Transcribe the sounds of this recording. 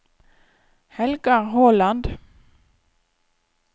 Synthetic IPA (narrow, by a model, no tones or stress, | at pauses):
hɛlɡɑʁhoːlɑnd̪